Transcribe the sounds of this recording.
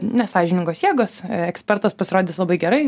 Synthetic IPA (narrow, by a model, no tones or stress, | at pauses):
nʲɛsɑːʒʲɪnʲɪŋɡoːsjiɛɡoːsɛksʲpʲɛrt̪ɐspɐsʲɪɾoːd̪ʲɪːslˠɐbɐɪɡʲɛɾɐɪ